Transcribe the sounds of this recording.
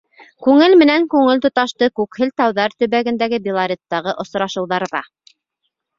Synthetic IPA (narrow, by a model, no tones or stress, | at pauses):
kʉŋɘlmɘ̆næŋkʉŋɘlt̪ŏt̪ɑʃt̪ɤkʉkhɘlt̪ɑwðɑɾt̪ɵ̆βæɡɘ̆nd̪æɡɘbilˠaɾʲet̪ːɑʁɤʔŏsɾɑʃɤ̆wðɑɾðɑ